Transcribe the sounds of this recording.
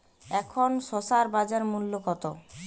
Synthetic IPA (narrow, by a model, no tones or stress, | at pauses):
ɛkʰonʃosaɾbad͡ʑaɾmulːokɔt̪o